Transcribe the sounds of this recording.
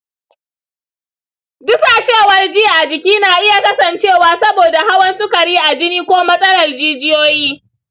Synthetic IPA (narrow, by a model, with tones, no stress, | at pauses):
dʊ˦ka˨ʃeː˦˨wɐ˦rd͡ʒiː˦˨ʔa˨d͡ʒɪ˨kʲiː˦naː˨ʔɪ˦ja˨kɐ˦sɐ˨nt͡ʃeː˦˨waː˨sɐ˦boː˨da˨ɦa˦wɐ˦nsʊ˦kɐ˨ɽiː˦ʔa˨d͡ʒɪ˦niː˦kʷoː˦mɐ˦sʼɐ˦lɐ˨rd͡ʒiː˦d͡ʒɪ˦joː˦jiː˦